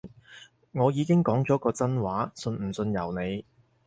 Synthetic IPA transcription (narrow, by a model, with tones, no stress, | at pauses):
ŋɔː˨˧jiː˨˧kɪ˥ŋkɔː˨˥ŋt͡sɔː˨˥kɔː˧t͡sɐ˥nwaː˨˥sɵ˧nm̩˨˩sɵ˧njɐ˨˩wne˨˧j